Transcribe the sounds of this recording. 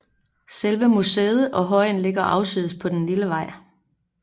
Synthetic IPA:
selʋəmuseːð̞̩ˠʔɒ̽ɦɒ̽ɪ̰n̩leɡ̥ɐʔɑ̈ʊsyðˠspʰɒ̽d̥enliləʋɑ̈ɪ̰

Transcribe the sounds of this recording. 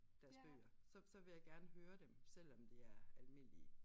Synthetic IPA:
d̥æɐsb̥ø̰ːɐsɒ̽sɒ̽ʋe̝jɑ̈ɪɡ̥æɐnəɦøːɐd̥emsel̰ɒ̽md̥iæɐælme̝n̰liə

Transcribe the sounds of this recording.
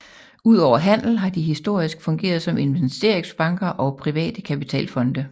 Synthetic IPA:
uð̞̰ˠɒʊ̰ɐɦæn̰l̩ɦɑ̈d̥iɦisd̥o̝ɐ̰isɡ̥fɔ̽ŋɡ̥e̝̰ːɐð̞ˠsɒ̽me̝nʋensd̥e̝ɐ̰eŋsb̥ɑ̈ŋɡ̥ɐʔɒ̽pʰʁiʋɛ̰ːd̥əkʰæpit͡sʰɛ̰ːlfɒ̽nd̥ə

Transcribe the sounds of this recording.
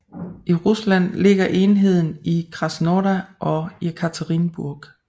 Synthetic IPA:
ʔiʁuslæn̰le̝ɡ̥ɐʔe̝ːnɦe̝ð̞̰ˠn̩ikʰʁɑ̈snɔːɾæʔɒ̽ekʰæt͡sʰæʁinb̥uɐɡ̥

